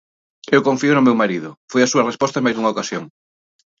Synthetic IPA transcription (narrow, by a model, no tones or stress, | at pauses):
ewkoɱfiʊnʊmewmaɾiðʊfojɐsuɐrespɔst̪ɐẽmajzðuŋɐokasjoŋ